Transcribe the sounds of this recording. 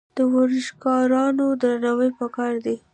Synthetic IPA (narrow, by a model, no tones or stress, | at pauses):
d̪̥əwaɾɪʃkɑɾɑnod̪ɾanawəjpəkɑɾd̪i